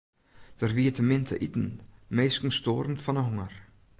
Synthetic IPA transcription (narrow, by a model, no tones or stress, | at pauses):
d̥ərviətəmɪntʰə̰ʔitn̩meːskn̩stoːɾən̩tfɔnəɦɔŋər